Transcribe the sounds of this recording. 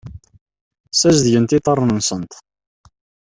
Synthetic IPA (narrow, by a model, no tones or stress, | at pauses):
sæzðʝənt̪it̪ˤərˤnənsˤənt̪